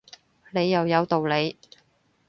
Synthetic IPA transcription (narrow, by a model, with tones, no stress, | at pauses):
ne˨˧jːɐ˨wjɐ˨˧wt̪o˨wle˨˧j